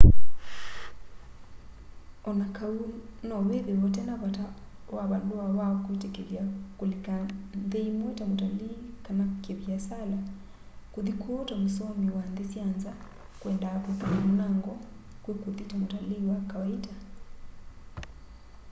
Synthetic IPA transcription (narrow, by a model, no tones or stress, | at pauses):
ɔnakaunɔweðewɔt̬ɛnaβata | waβanduaβaɔkwetɛkeljakulikanðeimwɔtamotalikanakkeβiasala | kuðikuɔtamusɔmiwanðisjanza | kwɛndakupinamunaŋɡɔkwekuðitamotaliwakawaita